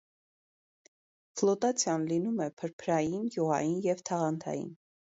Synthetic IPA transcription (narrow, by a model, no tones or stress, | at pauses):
flɔt̪ɑt͡sʰjɑnlinumɛpʰəɾpʰɾɑjinɡjuʁɑ̰jinjɛvt̪ʰɑʁɑnt̪ʰɑ̰jḭn